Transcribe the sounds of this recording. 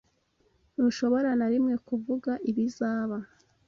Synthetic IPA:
nuʃo̞βo̞ɾanaɾimŋe̞kuvuɡaʔiβizaːβa

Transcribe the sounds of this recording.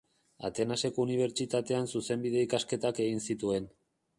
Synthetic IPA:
a̰t̪e̞nase̞ko̞uniβ̞e̞ɾt͡ʃit̪at̪e̞ansuse̞mbiðe̞ikaske̞t̪ake̞ɣinsit̪ue̞n

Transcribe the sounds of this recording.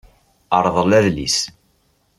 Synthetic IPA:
əɾˤðˤəlæðlḭs

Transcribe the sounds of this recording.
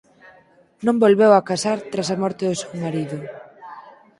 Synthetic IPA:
nõmbolβewakasaɾt̪ɾasamɔɾt̪ɪðʊsewmaɾiðʊ

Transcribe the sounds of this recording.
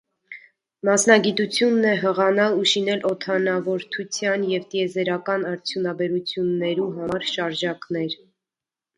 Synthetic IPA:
mɑsnɑɡit̪ut͡sʰjunːɛɦəʁɑnɑluʃinɛlʔɔt̪ʰɑnɑvɔɾt̪ʰut͡sʰjɑnjɛvt̪iɛzɛɾɑkɑnɑɾt͡sʰjunɑbɛɾut͡sʰjunːɛɾuɦɑɑɾʃɑɾʒɑknɛɾ

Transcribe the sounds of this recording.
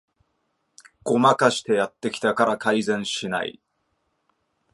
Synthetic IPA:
ɡ̥o̞makaɕi̥t̪e̞jat̪ːe̞kʲi̥t̪akaɾakaizẽ̞ɰ̃ɕina̰ḭ

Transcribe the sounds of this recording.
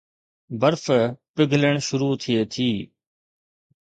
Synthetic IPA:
bəɾfpɪɡʱləɳ̃ʃʊɾuːt̪ʰɪeːt̪ʰiː

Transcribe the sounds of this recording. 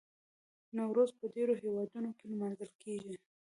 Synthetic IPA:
nawɾozpəɖeɾoɦewɑd̪unokelmanzəlkʰeɡi

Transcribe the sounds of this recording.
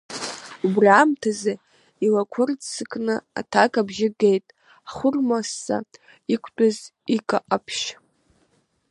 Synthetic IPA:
ubramtʰaza | ilakʷʰʊrt͡sɨkʼnɨa̰tʰakʼabʒɪɡejtʼ | aχʷʊrmasːa̰ | ikʷʰtʷʼazikʼaʔapʰʃ

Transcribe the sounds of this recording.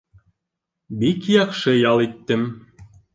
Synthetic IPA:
bikjɑqʃɤjɑlˠit̪ːɘm

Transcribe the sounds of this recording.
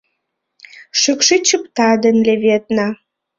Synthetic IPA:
ʃykʃit͡ɕəpt̪ɑd̪ənleβet̪nɑ

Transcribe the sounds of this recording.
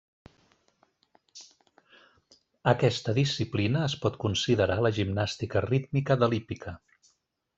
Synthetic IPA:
əkɛst̪əðisiplinəːspɔt̪kunsiðəɾaləʒimnast̪ikərit̪mikəðəlipikʰə

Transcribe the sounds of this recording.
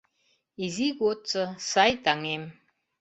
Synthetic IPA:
iziɡott͡səsajt̪aŋem

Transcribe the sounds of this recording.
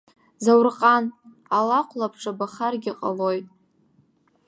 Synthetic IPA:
zawrqʼan | alaqʷʰlapʰʈ͡ʂʰʼabaχarɡʲiqʼa̰lo̞jtʼ

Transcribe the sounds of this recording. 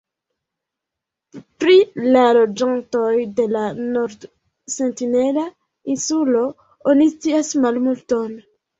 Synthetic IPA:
pɾilalod͡ʒantojde̞lanoɾd | sentinela | insulo̞ | onist͡siasmalmulton

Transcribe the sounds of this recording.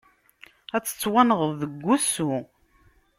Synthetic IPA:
æt͡sːə̥t͡sːwænəʁəððəɡʷːusu

